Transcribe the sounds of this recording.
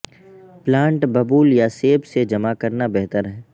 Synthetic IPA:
plãːɳʈbɐbuːljaseːbsed͡ʒɐmakɐɾnabɛɦt̪əɾɦɛː

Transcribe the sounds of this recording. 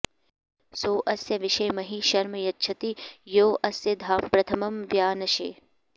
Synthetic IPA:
soːʔɐsjɐʋɪʃɐjmɐɦiʃɐɾmɐjɐtːʃʰɐt̪ijoːʔɐsjɐd̪ʱaːmpɾɐt̪ʰɐmɐmʋjaːnɐʃḛː

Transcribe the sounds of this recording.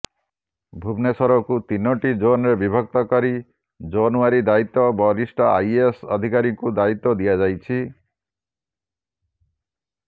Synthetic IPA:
bʱubnesɔɾɔkut̪inɔʈid͡ʒonɾebibʱɔk̚t̪ɔkɔɾi | d͡ʒɔnuaɾid̪ait̪ːɔbɔlisʈɔa̰jesɔ̰d̪ʱikaɾikud̪ait̪ːɔd̪ijad͡ʒajt͡ʃʰi

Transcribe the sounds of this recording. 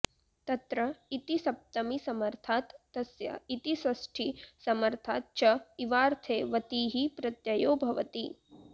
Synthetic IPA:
t̪ɐt̪ɾɐit̪isɐp̚t̪ɐmisɐmɐɾt̪ʰaːt̪ːɐsjɐ̰it̪isɐsʈʰisɐmɐɾt̪ʰaːt̪̚t͡ʃɐiʋaːɾt̪ʰeːʋɐt̪iɦipɾɐt̪jɐjoːbʱɐʋɐt̪i

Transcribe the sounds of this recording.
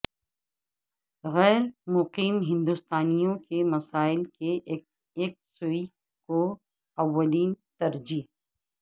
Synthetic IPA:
ɣɛːɾmʊqiːmɦɪ̃nd̪ust̪aːnijõkemɐsaːɪlke | eːk̚sʊi | ko | ɐʋːəliːnt̪ɐɾd͡ʒiːɦ

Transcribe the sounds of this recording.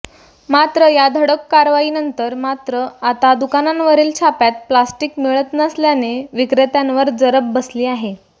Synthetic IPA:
mat̪ɾəjad̪ʱəɽəkːaɾʋaiːnənt̪əɾmat̪ɾəat̪ad̪ukanãnʋəɾiːlt͡ɕʰapjat̪̚plasʈikmiɭət̪nəsljaneʋikɾet̪jãnʋəɾd͡zəɾəbːəsliːaɦe

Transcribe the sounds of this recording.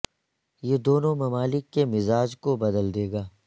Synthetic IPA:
jeːd̪oːnõmɐmaːlɪkːemɪzaːd͡ʒkobɐd̪əld̪eːɡaː

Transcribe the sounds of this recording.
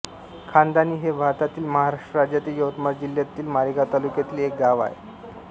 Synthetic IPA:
kʰand̪aniːɦebʱaɾt̪at̪iːlməɦaɾaʂʈəɾad͡ʑjat̪iːjəʋt̪maɾd͡ʑiljat̪iːlmaɾiɡat̪alukjat̪iːlek̚ɡ̪aʋa̰ɦḛ

